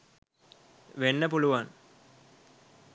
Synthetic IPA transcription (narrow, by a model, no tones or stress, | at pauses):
ʋenːəpuluʋan